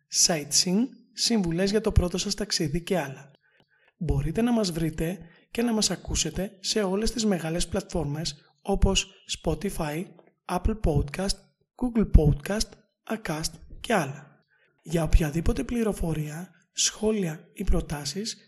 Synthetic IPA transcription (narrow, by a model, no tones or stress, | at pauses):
sɐit̪siŋsiɱvule̞zʝɐt̪o̞pɾo̞t̪o̞sɐst̪ɐksiðice̞ɐlɐ | bo̞ɾit̪e̞nɐmɐzvɾit̪e̞ | ce̞nɐmɐsɐkuse̞t̪e̞se̞o̞le̞st̪izme̞ɣɐle̞splɐt̪fo̞ɾme̞s | o̞po̞sːpo̞t̪ifɐj | ɐplpo̞d̪kɐst̪ | ɡ̥uɡlpo̞d̪kɐst̪ | ɐkɐst̪ce̞ɐlɐ | ʝɐo̞pçɐðipo̞t̪e̞pliɾo̞fo̞ɾiɐ | sxo̞liɐipɾo̞t̪ɐsis